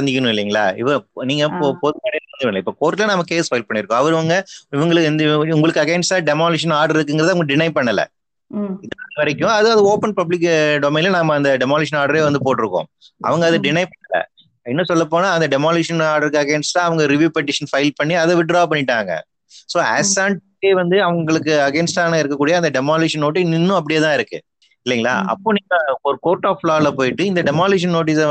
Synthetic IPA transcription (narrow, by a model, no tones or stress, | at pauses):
ɐɾɐnd̪ɪkʲːɐnʊ̃ɪlːiːŋɡɐɭa̰ːɪ̰ʋɐniːŋɡɐopɔðɯmaːɽiɐnd̪ɯnlɐɪpːokoːɾʈːɪlɐnɐmːɐkeːsfɐɪlpɐɳːɪɾɯkːʊ̃ɐʋɐɾʋɐŋɡɐɪʋɐŋɡɐɭɯkːɪnd̪ʊŋɡɐɭɯkːɯɐkɐɪɳɖst̪ãːɖɛmaːlɪʂɐnaːɾɖɐɾɪɾɯkːɯŋɡɪɐðaːʋɐŋɡɐɖɪnɐɪpɐɳːɐlɐ̰ | ɪðɐɐʋɐɾɪkːʊ̃ɐðɯɐðɯoːpɐnpɐblɪk̬ːɖɔmeːnɪlnaːmɐɐnd̪ɐɖɛmaːlɪʂ̬ɐnaːɾɽɐɾeːʋɐnd̪ɯpoːʈːɪɾɯkːõ̰ː | ʔɐ̰ʋɐŋɡɐːðɯɖɪnɐɪpɐɳːɐlɐ̰ | ɛnːɐsɔlːɐp̬ːoːnaːɐnd̪ɐɖɛmaːluːʂɐnaːɾɖɐɾkːɯɐɡɛːnsʈːãːɐʋɐŋɡɐɾɪʋjuːpɛʈ̬ːɪʂɐnfɐɪlpɐɳːiɐðɛʋɪɖɾaːp̬ɐɳːɪʈːaːŋɡɐ̰ | soːɛ̰saːɳʈ | eːʋɐnd̪ɯɐʋɐŋɡɐɭɯkːɯɐɡɛːnsʈaːnɐɪɾɯkːɐkːuːɽɪjɐnd̪ɐɖɛmaːljuːʂɐnːoːʈ̬ːinɪnːʊ̃ɐp̬ːɐɽɪjɐt̪ãːɪɾɯkːɯ̰ | ɪlːɪŋɡɐɭa̰ːʔɐ̰pːoːniːŋɡɐɔɾɯkoːɾʈːaːflaːlɐpoːjɪʈːɯɪnd̪ɐɖɛmaːljuːʂ̬ɐnnoːʈ̬is